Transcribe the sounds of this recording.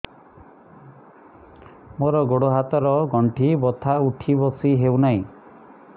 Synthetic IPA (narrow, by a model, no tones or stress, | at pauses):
moɾɔɡoɽoɦat̪ɔɾɔɡɔɳʈʰibɔt̪ʰauʈʰibɔsiɦewnaĩ